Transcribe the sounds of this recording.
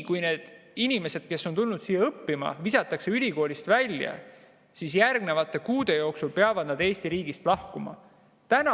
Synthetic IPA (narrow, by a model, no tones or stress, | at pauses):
kujne̞ːd̪̥inime̞se̞d̪̥ke̞sːo̞nt̪ulnud̪siːjɑɤpːimɑ̰visɑt̪ːˑɑkse̞ylʲiko̞ːlʲist̪vælʲjɑ̰ | siːsjærɡne̞vɑt̪ːˑe̞kuːd̪e̞jo̞ːksulpe̞ɑvɑd̪nɑd̪e̞ːst̪iɾiːɡist̪lɑhkumɑ̰ | t̪ænɑ